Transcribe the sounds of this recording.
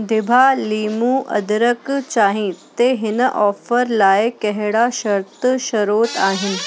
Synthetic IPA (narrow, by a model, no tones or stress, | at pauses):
d̪ɪbʱaliːmũːʔɐ̰d̪ɾəkt͡ɕaːɦĩt̪eɦɪnəʔɔːfəɾlaːekɛɦɽaʃɐɾt̪əʃɐɾoːt̪aːɦɪn̆